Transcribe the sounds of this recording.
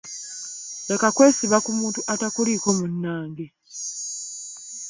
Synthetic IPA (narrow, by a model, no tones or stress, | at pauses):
lekakwe̞ːsiβakumuːntuʔatakuliko̞munːaːŋɡe